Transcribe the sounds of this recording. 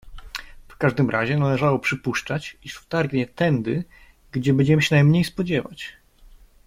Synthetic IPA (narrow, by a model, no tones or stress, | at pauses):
fkaʐd̪ɘmɾʔaʑɛnalɛʐawɔpʂɘpuʂt͡ʂat͡ɕiʂft̪aɾɡɲɛt̪ɛnd̪ɘ | ɡd͡ʑɛbɛɲd͡ʑɛmɘɕɛnajmɲejspɔd͡ʑɛva̰t͡ɕ